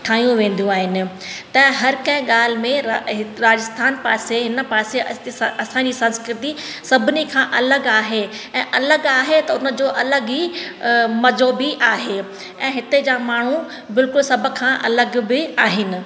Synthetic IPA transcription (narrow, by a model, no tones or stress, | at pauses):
ʈʰaːijũʋẽːn̆d̪ijũaːɦɪnɪ̆ | t̪ɐ̃ɪ̃ɦɐɾkɐ̃ɪ̃ɠaːl̤ɪ̆mẽɾaːd͡ʑəst̪ʰaːnpaːseɦɪnəpaːseɐsãd͡ʑiːsɐ̃nskɾɪt̪i | sɐbʱɪnikʰãʔɐləɡaːɦe | ɛ̃ːʔɐləɡaːɦet̪ɐʊnə̆d͡ʑoːʔɐləɡɦiː | mɐzoːbɪʔaːɦe | ɛ̃ːɦɪt̪ed͡ʑaːmaːɳ̤u | bɪlkʊlsɐbʱʊ̆kʰãʔɐ̰ləɡbɪaːɦɪnɪ̆